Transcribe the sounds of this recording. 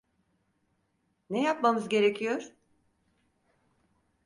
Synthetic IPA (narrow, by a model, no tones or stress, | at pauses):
nɛjapmamɯzɟe̞ɾecʰijoɾ